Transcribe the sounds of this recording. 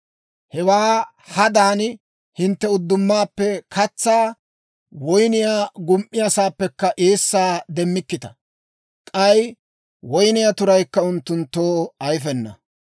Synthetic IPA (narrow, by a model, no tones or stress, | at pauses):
hɛwaː | hɐd̪aːn | hɪnt̪ːɛʊd̪ːʊmːaːpːɛkʰɐt͡sːaː | wɔjnɪjaːɡʊmʔɪjasaːpːɛkːɐʔeːsːaːd̪ɛmːɪkːɪt̪ɐ̥ | kʼɐj | wɔjnɪjat̪ʊɾɐjkːɐʊnt̪ːʊnt̪ːo̞ːɐjfɛnːɐ̰